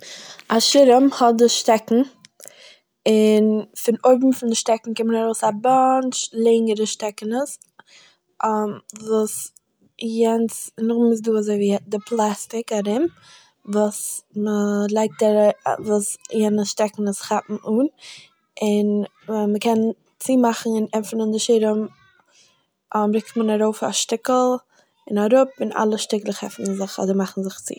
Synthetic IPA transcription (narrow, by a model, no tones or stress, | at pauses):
aʃɪɾəmhɔdɪʃtɛkŋ̩ | ɪnfɪnoɪbm̩fɪndɪʃtɛkŋ̩kɪmənaɾoʊsabɔnt͡ʃlˠɛŋəɾəʃtɛkənəs | vuːs | jɛnt͡snʊχmɪs̬duːazoɪviːdɪplˠastɪkaɾɪm | vuːsməlˠaɪk̚taɾ̰vuːsjɛnəsʃtɛkŋ̩əsχapm̩ʔuːn | ɪn | məkɛn | t͡siːmaχn̩ɪnɛmfn̩ɪndɪʃɪɾəm | ɔmbɾɪktmənaɾoʊfa̰ʃtɪkl̩ˠ | ɪnaɾʊpɪna̰lˠəʃtɪklˠəχɛ̰fnn̩zɪχɔ̰dəɾmaχn̩zɪχt͡sḭː